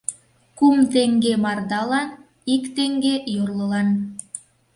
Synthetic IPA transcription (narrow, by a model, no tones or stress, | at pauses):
kumt̪eŋɡemɑrd̪ɑlɑn | ikt̪eŋɡejorləlɑn